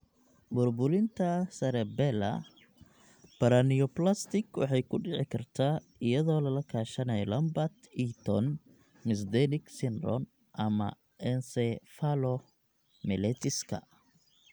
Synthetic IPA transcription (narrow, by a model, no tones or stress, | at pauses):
bʊrbʊlɪnt̪ʰɐsɐɾɛbɛlɐ̰ | b̥ɐɾaniɔplast̪ɪkwɑ̰ħɑjkʰʊɖɪʕɪkʰɐrt̪ʰaː | ɪjɐðɔːlɐlɐkʰaːʃɐnɛjlɐmbɐt̪it̪ʰɔn | mɪs̬d̪ɛnɪksɪnrɔ̰n | ʔɐmɐ̰ | ʔɛnsɛfalɔ | mɛlɛt̪ʰɪskʰɐ̰